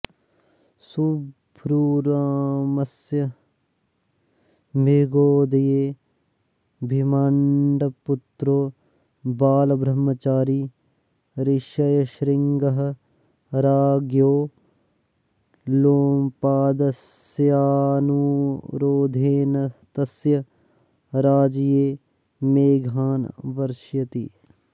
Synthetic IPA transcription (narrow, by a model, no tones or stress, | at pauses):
subʱɾuɾaːmɐsjɐ | mʱiɡoːd̪ɐjeː | bʱimaːɳɖɐput̪ɾoː | baːlɐbɾɐmːɐt͡ʃaːɾiː | ɾɪʃɐjɐʃɾɪŋɡɐɦ | ɾaːɡjoː | loːmpaːd̪ɐs | jaːnuɾoːd̪ʱeːnɐt̪ɐsjɐ | ɾaːd͡ʒjeː | meːɡʱaːnʋɐɾʃjɐt̪ḭ